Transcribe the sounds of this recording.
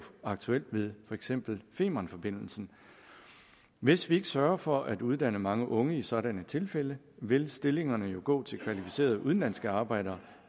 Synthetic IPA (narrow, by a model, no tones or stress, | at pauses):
ɑ̈ɡ̥̚t͡sʰuel̰d̥ʋe̝ð̞ˠfɒ̽eɡ̥sem̰b̥l̩fe̝̰ːmɐnfɒ̽b̥e̝n̰l̩sn̩ | ʋe̝sʋie̝ɡ̥ə̥sɶɐɐfɒ̽ʔæd̥uð̞ˠd̥æn̰əmɑ̈ŋəʔɔ̽ŋəisɒ̽ɾ̥ænət͡sʰe̝lfelə | ʋe̝lsd̥e̝le̝ŋɐnəjo̝ɡ̥ɔ̰̽ːt͡sʰe̝lkʰʋælifi̥se̝̰ːɐðˠuðˠnlæn̰sɡ̥əɑ̈ːb̥ɑ̈ɪ̰ɾ̥ɐː